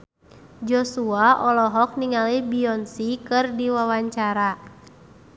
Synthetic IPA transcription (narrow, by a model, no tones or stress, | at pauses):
d͡ʒɔsuaɔlɔɦɔk̚niŋalibiɔnsikɨrdiwawaɲt͡ʃaɾa